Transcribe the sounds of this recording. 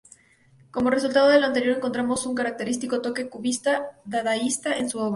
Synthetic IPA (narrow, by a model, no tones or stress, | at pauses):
ko̞mo̞re̞s̬ult̪að̞o̞ðe̞lant̪e̞ɾjoɾe̞ŋko̞nt̪ɾamo̞suŋkaɾak̚t̪e̞ɾist̪iko̞t̪o̞ke̞kuβist̪aðaðaist̪aʔe̞nsuo̞βɾa